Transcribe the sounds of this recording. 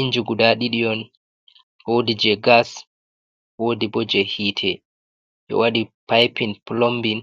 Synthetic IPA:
ind͡ʒuɡudaɗiɗiɔn | wodid͡ʒɛɡas | wodibɔd͡ʒɛhiːtʰɛ | ʔɔ̰waɗipajpinplombin

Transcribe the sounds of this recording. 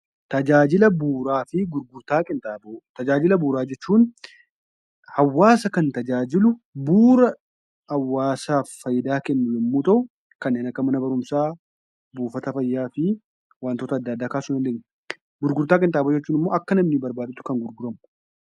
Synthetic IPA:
t̪ɐd͡ʒaːd͡ʒɪlɐbuːɾaːfɪɡʊɾɡʊɾt̪aːkʼɪnt̪ʼaːbot̪ɐd͡ʒaːd͡ʒɪlɐbuːɾaːd͡ʒɛt͡ʃːuːn | hɐwːaːsɐkɐnt̪ɐd͡ʒaːd͡ʒɪlʊbuːɾɐ | hɐwːaːsaːfːɐjɪd̪aːkɛnːʊlɪmːuːt̪ɐʔʊ | kɐnːeːnɐkːɐmɐnɐbɐɾʊmsaː | buːfɐt̪ɐfɐjːaːfɪ | waːnt̪oːt̪ɐd̪ːɐːd̪ːaːkaːsʊnɛleɡn | ɡʊɾɡʊɾt̪aːkʼɪnt̪ʼaːboːd͡ʒɛt͡ʃːuːnɪmːo̞ːʔɐkːɐnɐmnɪbɐɾbaːd̪ɪt̪ːʊ̥kɐŋɡʊɾɡʊɾɐmʊ̥

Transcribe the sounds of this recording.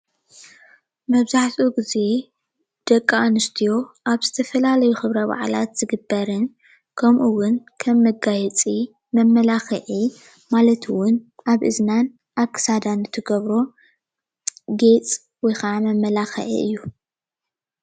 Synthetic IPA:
mɐβzaħt̪ʰʼuɡize̞ | d̪̥ɐkʼːaanɨst̪ʰijo̞ʔaβzɨt̪ʰɐfɐlalɐjuxɨβɾɐβa̰ʕla̰t̪z̥ɨɡɨbːɐɾɨn | kʰɐmʔuwʊnkʰɐmːɨɡajɛt͡sʼi | mɐmːɐlaxɐʕi | malɐt̪ʰwʊnʔaβʔɨznan | ʔakːɨ̥sad̪anɨt̪ʰɨɡɐβɾo̞ | ɡe̞t͡sʼ | wɔjxamɐmːɐlaxɐ̰ʕḭʔɨ̰jːu

